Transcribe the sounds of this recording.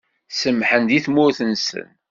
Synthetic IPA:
səmħənd̪iθmʊɾθənsə̰n

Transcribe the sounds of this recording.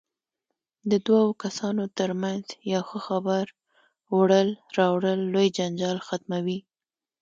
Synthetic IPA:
d̪əd̪wawokasɑnot̪əɾmanzjawxəxabaɾ | wɽəlɾɑwɽəlːojd͡ʒand͡ʒɑlxat̪mawi

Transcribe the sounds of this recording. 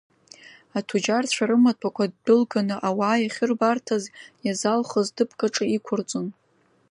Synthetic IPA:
atʰud͡ʒart͡ɕʷʰaɾɨmatʰakʷʰad̚dɨlɡanɨʔawaːjaχʲɪrbartʰazjazalχəzdɨpʰkʼaʈ͡ʂʼɨikʷʰʊrt͡sʼon

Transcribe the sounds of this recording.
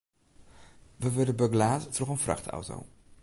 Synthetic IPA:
ʋəʋɪdəbœɡlaːttrɔχənfrɑ̰χtɑ̰wto̰w

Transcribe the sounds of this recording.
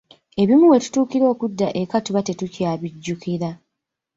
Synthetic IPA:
e̞βimuwe̞tu̥tuːkiɾo̞ːkudːaʔe̞katuβate̞tucaːβiɟːukiɾa

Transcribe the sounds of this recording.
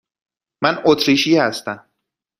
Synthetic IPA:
mænot̪ʰɾiːʃiːhæst̪æm

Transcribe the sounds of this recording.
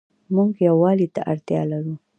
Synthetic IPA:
muɡjawɑlit̪aʔaɾt̪jɑ̰laɾu

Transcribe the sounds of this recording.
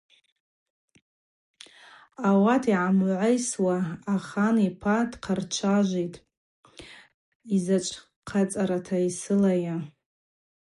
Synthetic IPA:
awatʰiʕamʕʷejswaːχanipʰadqʰart͡ʃʷʰaʒʷejtʼ | izat͡ʃʷʼʰ | qʰat͡sʼaɾatʰaisɨlaja

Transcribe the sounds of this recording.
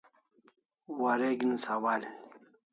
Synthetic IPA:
waɾeɡinsawal

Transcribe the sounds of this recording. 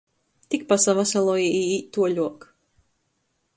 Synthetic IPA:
t̪ik̚pasavasalˠɔiiit̪uɔʎuɔk

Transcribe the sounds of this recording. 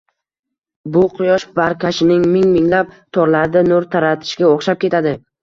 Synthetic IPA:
bʊqʰʊjɒʃbaɾkʰʲaʃɪnɪŋmɪŋmɪŋlap̚t̪ʰɒɾlaɾd̪anoɾt̪ʰaɾat̪ʰɪ̥ʃɡʲaoχʃap̚kʲʰe̞t̪ʰad̪ɪ

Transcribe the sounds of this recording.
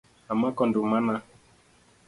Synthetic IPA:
amakɔndumana

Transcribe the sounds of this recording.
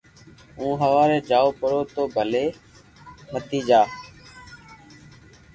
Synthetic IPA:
ũːɦəʋaːɾeːd͡ʒaːoːpəɾoːt̪oːbʱəleː | mət̪iːd͡ʒaː

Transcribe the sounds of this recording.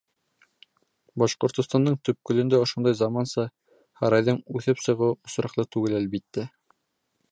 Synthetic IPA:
bɑʃqŏɾt̪ŏst̪ɑnd̪ɤɴt̪ɵ̆p̚kɵ̆lɵ̆nd̪æŏʃond̪ɑjzɑmɑnsɑ | hɑɾɑjðɤɴʉθɘpsɤ̆ʁɤwŏsɾɑqlˠɤt̪ʉɡɘlælβit̪ːæ

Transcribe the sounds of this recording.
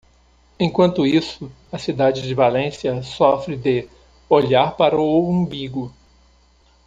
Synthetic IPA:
ẽj̃kwɐ̃nt̪ʊisʊ | ɐsid̪ad͡ʒɪd͡ʒɪvalẽsiɐsɔfɾɪd̪ɪ | oʎaɾpaɾɐowũbiɡʊ

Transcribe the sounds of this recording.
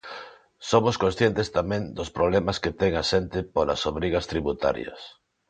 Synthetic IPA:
somoskõnsθjent̪ɪst̪amɛ̃ŋd̪ospɾoβlɛmɐsket̪ɛŋaʃent̪ɪpolɐ̰soβɾiɣɐst̪ɾiβut̪a̰ɾj̰ɐ̰s

